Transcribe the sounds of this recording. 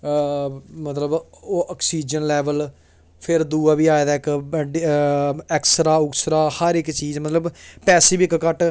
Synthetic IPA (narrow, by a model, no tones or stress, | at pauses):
mət̪ləboəksiːd͡ʒənlɛːʋəl | pʰɪɾd̪uːaːbiːaːed̪aːɪkɖ | ɛːksɾaːʊksɾaːhəɾɪkt͡ʃiːzmət̪ləbpɛːsibkkəʈ